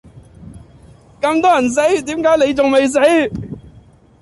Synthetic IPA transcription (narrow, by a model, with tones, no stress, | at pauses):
kɐ˧mt̪ɔː˦˥jɐ˨˩ns̬e˨˥jt̪iː˨˥mkaː˨˥le˨˧jt͡sʊ˨ŋme˨js̬e˨˥j